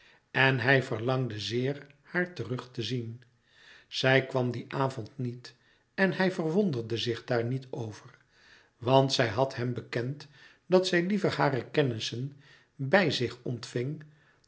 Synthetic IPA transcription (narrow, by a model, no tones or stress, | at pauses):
ɛnɦɛjvəɹlɑŋdəzɪːɹ | haːɹtərɵχtəzin | z̥ɛjkʋɑmdiʔaːvɔntnit | ɛnɦɛjvərʋondərdəzɪχdaːɹnitowvəɹ | ʋɑntsɛjɦɑtɦɛmbəkɛnt | dɑtsɛjlivəɹhaːrəkɛnɪsən | bɛjzɪχɔntfɪŋ